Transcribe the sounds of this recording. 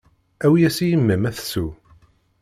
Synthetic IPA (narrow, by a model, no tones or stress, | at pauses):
æwijæsijəmːəmæθsu